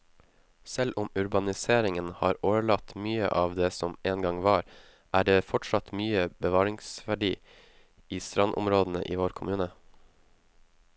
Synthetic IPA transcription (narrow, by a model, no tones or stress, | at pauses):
sɛlʔʊmʉɾbɑnɪseːɾɪŋənhɑ̰ːɾoːʋəɭɑt̪myːə̰ʔɑːʋd̪eːsɔmʔeːnɡɑŋʋɑːɾ | ʔæːɖeːfɔʈʂɑt̪myːəbəʋɑːɾɪŋsʋæɖiː | iːst̪ɾɑnʔʊ̰mɾoːd̪n̩ə̰ʔḭːʋoːɾkʰʊmʉːnə